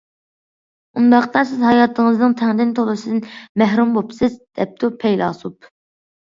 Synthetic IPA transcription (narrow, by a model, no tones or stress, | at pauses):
und̪ɑqt̪ɑsɪzhɑjɑt̪ʰːɨŋəznɨŋt̪ʰɛŋd̪ɪnt̪ʰolˠɨsɨnmæɦɾumbopsɪzd̪̥ɛp̚t̪upʰɛjlɑ̰ːsup